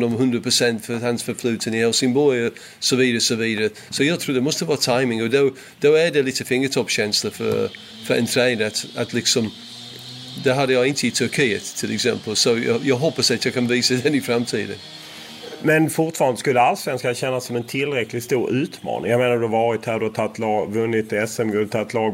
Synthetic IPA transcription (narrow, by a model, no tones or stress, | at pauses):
nɔmɦɵnd̪ɾapʰɾʊsɛnt̪fœhansfœɾflʉ̟ːt̪ʰənɪhɛlsɪmbɔl | sɔviːd̪aɾəsɔviːd̪aɾə | sɔjɑːɡt̪ʰɾuːdɛmɔst̪əvɑːɾt̪ʰaɪmɪŋɔd̪o | d̪̥oædɛliːt̪əfɪŋːət̪ʰɔpːɕɛnsləfœ̰ɾ | fœɾɛ̰nt̪ʰɾɛːnd̪əat̪at̪ʰlɪksɔm | d̪ɛɦad̪ːəjɑɡɪnt̪ʰəɪt̪ʰɵɾkʰiːə̰t̪ʰːɪlʔɛ̰ksɛ̰mpəlsɔjɑ̰jɑːɡɦɔpːasat̪jɑːkʰanviːsad̪ɛnɪfɾamt̪ʰḭːd̪ə̰n | mɛnfʊɾʈ̪fɑːɾand̪əskɵlːəalsvɛnskanɕɛnːasːɔmɛnt̪ʰɪlːɾɛklɪt̪st̪uːɾʉ̟ːt̪mɑ̰ːnɪ̰ŋjameːnaɾd̪ɵhavɑːɾɪt̪hæɾd̪ɵhat̪ʰat̪ːlɑːɡvɵnːɪt̪ːɛsɛmɡɔt̪ʰːat̪ːlɑːɡ